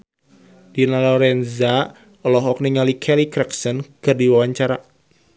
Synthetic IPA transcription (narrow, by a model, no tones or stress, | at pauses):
d̥inalɔɾɛnza | ɔlɔɦɔk̚niŋalikʰɛlikɾɛksənkɨrdiwawaɲt͡ʃaɾa